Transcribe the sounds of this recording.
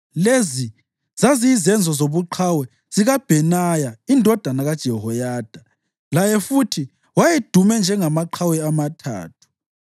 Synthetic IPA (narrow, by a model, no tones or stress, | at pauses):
lezi | z̥aziːzɛnd͡zʱɔzoβuǃʰawɛ | z̥iɣab̥ʱɛnajaindʱɔd̥ʱanaɣad̥ʒ̥ʱɛɦɔjaːd̥ʱa | lajɛfutʰi | wajed̥ʱumɛnd͡ʒʱɛŋamaǃʰawɛamatʰa̰ːtʰu̥